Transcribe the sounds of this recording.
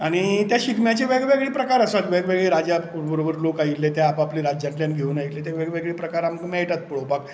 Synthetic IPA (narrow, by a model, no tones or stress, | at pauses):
aɽ̃it̪jaɕikʰmjat͡ɕeʋeɡʋeɡɭiːpɾəkaɾəsat̪ʋeɡʋeɡɭiːɾad͡ʑabəɾobəɾlokailːet̪eapapliɾad͡ʑjãʈljanɡʱeunaik̪let̪̬eʋeɡʋeɡɭiːpɾəkaɾaməɡmɛjʈat̪̚puɭobak